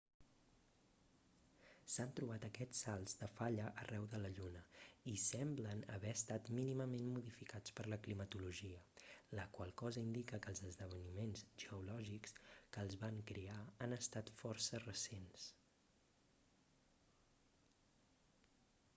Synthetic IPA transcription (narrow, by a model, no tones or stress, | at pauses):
sant̪ɾuβat̪əkɛt͡sːalˠzd̪əfaʎəʔərʔɛwðələʎunəisɛmblənə̰βɛəst̪at̪miniməmenmuðifikat͡spəɾləklimət̪uluʒiələkwalˠkɔzəind̪ikəkəlˠzəzðəβ̞ənimenzʒ̥əulɔʒikskəːlˠzβaŋkɾeaːnəst̪at̪fɔrsərəsens